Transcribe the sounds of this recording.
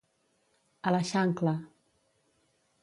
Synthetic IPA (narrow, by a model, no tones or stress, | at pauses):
alaʃaŋkla